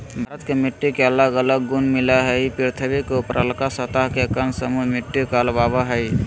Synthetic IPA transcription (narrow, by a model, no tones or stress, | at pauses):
bʱaɾət̪kemiʈːikeələɡələɡːunmilaɦəɪpiɾt̪ʰəbikeupɾʔə̰lkasət̪aɦkekənsəmumiʈːikalbabaɦəɪ